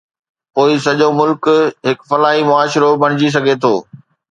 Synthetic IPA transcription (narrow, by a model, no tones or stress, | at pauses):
poːisɐʄomʊlkɦɪkfɐlaːɦimʊaːʃɾobʱɐɽ̃ɪd͡ʑis̬ɐɡʱet̪ʰoː